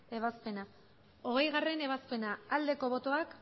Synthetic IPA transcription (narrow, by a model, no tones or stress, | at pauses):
e̞β̞aspe̞na | o̞ɣ̞e̞jɣare̞ne̞β̞aspe̞naːld̪e̞ko̞βo̞t̪o̞ak